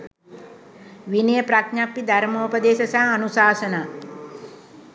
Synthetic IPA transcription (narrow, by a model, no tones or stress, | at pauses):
ʋinejəpɾaknapːid̪ʱɐɾmoupɐd̪eːʃɐsaɦɐnusaːsɐnaː